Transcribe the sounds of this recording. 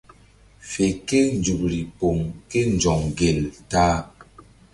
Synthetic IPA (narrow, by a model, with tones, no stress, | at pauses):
fe˨ke˦n˨d͡ʒu˨p̚ɾi˨po˨ŋke˦n˨d͡ʒɔ˨ŋɡe˨ltaː˦